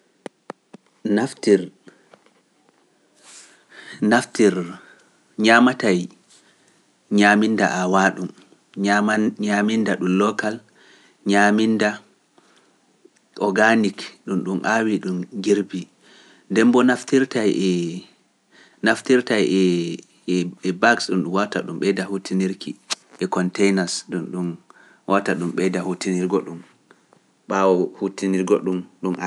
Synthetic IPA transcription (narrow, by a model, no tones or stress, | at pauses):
naftiɾ | naftiɾ | ɲamataj | ɲaminda̰ʔawaɗum | aɲamindaɗumlɔkal | ɲaminda | ʔɔɡanikɗumɗumʔawiɗumɡiɾbi | dɛmbɔnaftiɾtajɛ | naftiɾtajɛ | ɛɛbaksɗumɗumwata̰ɗumɓɛdahutʰiniɾkʰi | ʔɛkɔntɛjnasɗunɗum | wʔataɗumɓɛdahutiniɾɡɔɗum | ɓawɔhutiniɾɡɔɗumɗumʔa